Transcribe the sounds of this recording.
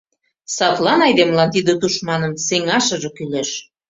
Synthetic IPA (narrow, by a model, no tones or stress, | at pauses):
sɑt̪lɑnɑjd̪emlɑnt̪id̪ə̆t̪uʃmɑnənseŋɑʃə̆ʒɤ̆kyleʃ